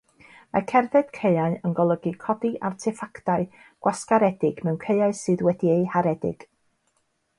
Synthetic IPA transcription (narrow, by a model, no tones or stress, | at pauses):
ma̰kʰɛrðɛd̥kʰeɨaɨənɡɔlˠəɡɨkʰɔdiʔa̰rtʰɪfaktaɨ | ɡ̥waskaɾɛdɪɡ̥mɛwnkʰejaɨsɨːðwɛdieɨhaɾɛdɪ̰ɡ̥